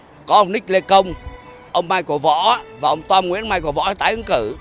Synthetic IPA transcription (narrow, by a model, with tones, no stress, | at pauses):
kɔ˨˦ʔə˧wŋ͡mnï̟˦˥le˧kə˧wŋ͡m | ʔə˧wŋ͡mmaː˧jko˧˩vɔ̰˧˥vaː˨˩ʔə˧wŋ͡mt̪waː˧mŋḭ˧˥ənmaː˧jko˧˩˦vɔ̰˧˥ə˨˦˩t̪aː˨˦jʔɨ˨˧˦ŋkɨ˧˩